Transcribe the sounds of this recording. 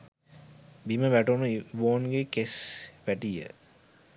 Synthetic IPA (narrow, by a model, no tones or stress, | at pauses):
biməʋæʈunuʋoːnɡekesʋæʈijə̰